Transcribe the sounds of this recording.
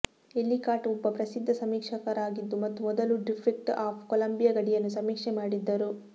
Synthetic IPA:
e̞lːikaːʈuɔbːɐpɾɐsid̪ʱːɐsɐmiːkʂɐkɐɾaːɡid̪ːumɐt̪ːumɔd̪ɐluɖipʰik̚ʈaːpʰkolɐmbijɐɡɐɽijɐnːusɐmiːkʂɛmaːɽid̪ːɐɾu

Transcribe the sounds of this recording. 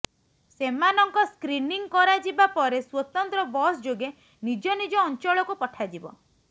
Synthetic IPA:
semanɔŋkɔskɾiniŋkɔɾad͡ʒibapɔɾeswɔt̪ɔnt̪ɾɔbɔsd͡ʒoɡe | nid͡ʒɔnid͡ʒɔːnt͡ʃɔɭɔkupɔʈʰad͡ʒibɔ̰

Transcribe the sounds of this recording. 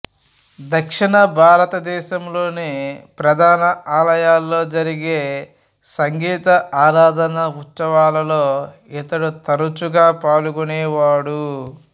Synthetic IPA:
d̪ʱɐkʂiɳɐbʱaːɾɐt̪ɐd̪ɛːʃɐmlo̞ːnepɾɐd̪ʱaːnɐaːlɐjaːlːo̞ːd͡ʒɐɾiɡeː | sɐŋɡiːt̪ɐaːɾaːd̪ʱɐnɐut̪sɐʋaːlɐlo̞ː | it̪ɐɽut̪ɐɾut͡ʃuɡaːpaːluɡunɛːʋaːɽu

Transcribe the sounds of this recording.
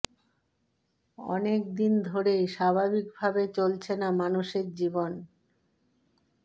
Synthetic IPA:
ɔ̰nekd̪ind̪ʱoɾeʃabʱabikbʱabet͡ɕolt͡ɕʰenamanuʃeɾd͡ʑibon

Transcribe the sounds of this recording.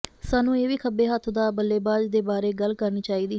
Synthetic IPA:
saːnũːeːʋiːkʰəbeːɦət̪ʰd̪aːbəlːeːbaːd͡ʒd̪eːbaːɾeːɡəlkəɾniːt͡ʃaːiːd̪iː

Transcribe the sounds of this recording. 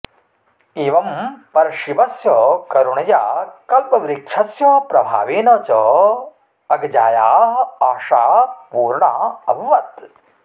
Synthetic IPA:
eːʋɐmpɐɾɐʃibɐsjɐkɐɾuɳɐjaːkɐlpɐʋɾikʂʰɐsjɐpɾɐbʱa̰ːʋeːnɐːt͡ʃɔ | ɐɡɐd͡ʒaːjaːɦaːʂaːɦpuːɾɳaːɐbʱɐʋɐt̪

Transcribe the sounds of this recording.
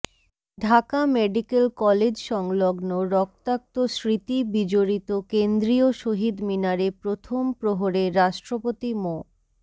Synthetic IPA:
ɖʱakameɖikelkɔled͡ʑʃɔŋloɡnoɾɔk̚t̪ak̚t̪osɾit̪ibid͡ʑoɾit̪okend̪ɾioʃoɦid̪minaɾepɾot̪ʰompɾoɦoɾeɾaʃʈɾopot̪imo

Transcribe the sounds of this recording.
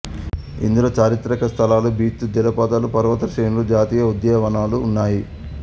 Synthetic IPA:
ḭnd̪uloːt͡ʃaːɾit̪ɾɐkɐst̪ʰɐlaːlubʱiːt̪ːud̪ilɐpɐd̪ɐlupɐɾʋɐt̪ɐʃɾeːnulud͡ʒaːt̪iːjɐud̪jɛːʋɐnaːluːnːaːji

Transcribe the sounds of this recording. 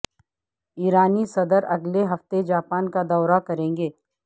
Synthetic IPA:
iːɾaːnisɐd̪əɾɐɡleɦɐft̪ed͡ʒaːpaːnkad̪ɔːɾakɐɾẽːŋɡeː

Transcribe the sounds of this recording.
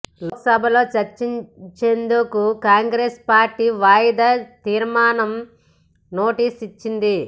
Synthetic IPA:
lksɐbʱɐlo̞ːt͡ʃɐɾt͡ʃiɲt͡ʃend̪ukukaːŋɡɾeːspaːɾʈːiːʋaːjd̪ɐt̪iːɾmaːnɐm | no̞ːʈiːsit͡ʃːind̪i

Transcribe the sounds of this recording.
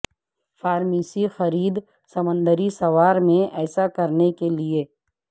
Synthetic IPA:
faːɾmiːsixɐɾiːd̪ | sɐmə̃nd̪əɾisɐʋaːɾmẽɛːsakɐɾnekelie

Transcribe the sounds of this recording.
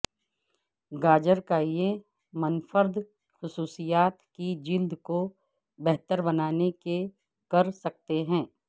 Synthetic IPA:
ɡaːd͡ʒəɾkaje | mɐnfəɾd̪ | xʊsuːsijaːt̪kid͡ʒild̪ko | bɛɦt̪əɾbɐnaːneke | kɐɾsɐk̚t̪eɦɛ̃ː

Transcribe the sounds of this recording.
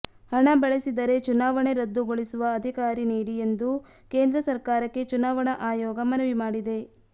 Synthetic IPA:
hɐɳɐbɐɭesid̪ɐɾe̞t͡ʃunaːʋɐɳe̞ɾɐd̪ːuɡoɭisuʋɐːd̪ʱikaːɾiniːɽiend̪u | ke̞ːnd̪ɾɐsɐɾkaːɾɐkːe̞t͡ʃunaːʋɐɳɐʔaːjɔːɡɐmɐnɐʋimaːɽid̪e̞

